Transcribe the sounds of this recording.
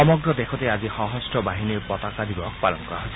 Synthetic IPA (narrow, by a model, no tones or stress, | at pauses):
ɔmɔɡɾɔd̪ekʰɔt̪eazixɔɦɔsʈɔbaɦiniɾpɔt̪akad̪ibɔk̚palɔŋkɔaɦojsʰ